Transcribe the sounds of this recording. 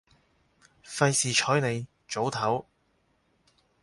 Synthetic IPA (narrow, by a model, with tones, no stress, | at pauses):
fɐ˧jsiː˨t͡ʃʰɔː˨˥jne˨˧j | t͡ʃo˨˥wt̪ʰɐ˨˥w